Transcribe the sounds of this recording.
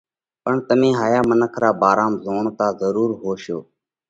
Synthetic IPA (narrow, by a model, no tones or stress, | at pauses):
pəɳt̪əmẽːɦaːjaːmənəkʰɾaːbaːɾaːmzoːɳk̪aːzəɾuːɾɦoːʃjoː